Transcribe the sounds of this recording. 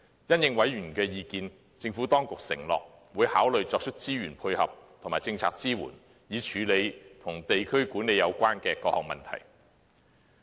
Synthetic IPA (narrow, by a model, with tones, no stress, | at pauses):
jɐ˥njɪ˧ŋwɐ˨˥jjyː˨˩nkɛː˧jiː˨˧kiː˧n | t͡sɪ˧ŋfuː˨˥t̪ɔː˥ŋkʊ˨k̚sɪ˨˩ŋlɔ̰ː˨k̚ | wuː˨˧jhaː˨˥wlɵ˨ɥt͡sɔː˧k̚t͡ʃʰɵ˥t̚t͡siː˥ɥyː˨˩npʰu˧jhɐ̰˨p̚t̪ʰʊ˨˩ŋmaː˨˩jt͡sɪ˧ŋt͡sʰa̰ː˧k̚t͡siː˥wṵː˨˩n | jiː˨˧t͡ʃʰyː˨˧le˨˧jt̪ʰʊ˨˩ŋt̪e˨jkʰɵ˥ɥkuː˨˥ne˨˧jɐ˨˧wkʷaː˥nkɛː˧kɔː˧k̚hɔː˨k̚mɐ̰˨nt̪ʰɐ̰˨˩j